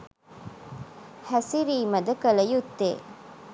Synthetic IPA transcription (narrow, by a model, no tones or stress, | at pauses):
hæsiɾiːmɐd̪ɐkɐlɐjut̪ːḛː